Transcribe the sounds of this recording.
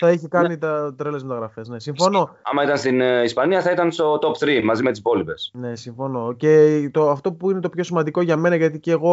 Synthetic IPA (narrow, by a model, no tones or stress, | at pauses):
θɐeçikɐnit̪ɐt̪ɾelezmet̪ɐɣɾɐfesne̞siɱfono̞ɐ̰mɐit̪ɐnst̪inispɐniɐθɐit̪ɐnst̪o̞t̪o̞pθɾimɐzimet̪ispo̞lipe̞sne̞siɱfo̞no̞ce̞t̪oɐft̪o̞puine̞t̪opço̞simɐnd̪iko̞ʝɐme̞nɐʝɐt̪iceːɣo̞